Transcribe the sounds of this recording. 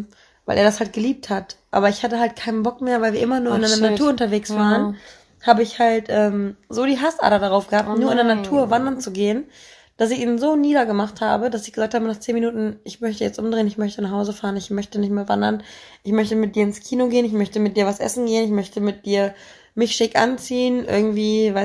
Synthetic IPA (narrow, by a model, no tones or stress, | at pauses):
vaɪlʔeɐdashalt̚ɡ̥əliːp̚thatʔa̰ːbɐɪçhatəɦalt̚kʰaɪnənbɔkmeːɐvaɪlviːɐʔɪmɐnuːɐɪnaɪnɐnatuɐʊntɐveːksvv̥aːʁən | haːbəɪçhaltʔɛːmzoːɾiːɦasʔa̰ːdɐdaʁaʊfɡ̥əhaːp̚tnuːɐɪndeɐnatʰuːɐvandɐnt͡suɡeːən | d̥as̬ɪçiːnnzoːniːdɐɡəmaχtha̰ːbədasɪ̥çɡəzaːk̚thaːbənaːχt͡seːnminuːtn̩ʔɪçmœçtəjɛt͡stʔʊmdʁeːənɪçmœçtənaχhaʊzəfaːʁənɪçmœçtənɪçtmeːɐva̰ndɐnʔɪçmœçtəmɪt̚d̥iːɐɪnskʰiːnoɡeːənɪç̬mœçtəmɪt̚d̥iːɐvasʔɛ̰sn̩ɡeːənɪçmœçtəmɪt̚d̥iːɐ | mɪçʃɪkʔa̰nt͡siːənʔɪ̰ɐɡŋ̩tv̥iːvaɪ